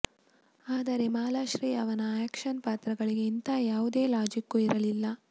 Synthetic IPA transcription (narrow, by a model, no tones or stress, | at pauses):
aːd̪ɐɾe̞maːlaːʃɾiːɐʋɐnɐɛːkʂɐnpaːt̪ɾɐɡɐɭiɡe̞int̪ajaːʋud̪e̞ːlaːd͡ʒikːuiɾɐlilːɐ